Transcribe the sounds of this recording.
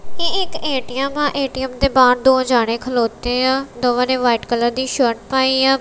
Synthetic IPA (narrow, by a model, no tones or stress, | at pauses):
keɪkeːʈiɛmãːʔeːʈiɛmd̪eːbaːɾd̪oːd͡ʒaːɽ̃ẽːkʰəloːt̪ẽːãːd̪oːʋãːnẽːʋaːɪʈkələɾd̪iːʃoːʈpaːiːãː